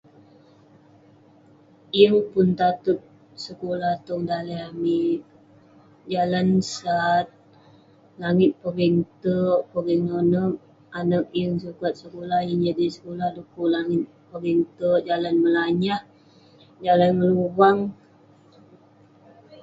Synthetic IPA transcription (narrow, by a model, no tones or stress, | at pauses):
iəŋpʊnt̪at̪ut̪̚ | səkolaht̪ɔŋdaleamiʔ | d͡ʒalansat̪̚ | laŋɪt̪̚pəɾiŋt̪əʔpəɾiŋnonək̚ | anək̚jəŋsukat̪̚səkolahjaŋd͡ʒadisə̥kolahdukuʔlaŋɪt̪̚pəɾiŋt̪əd͡ʒalanməlaɲah | d͡ʒalanŋəluwaŋ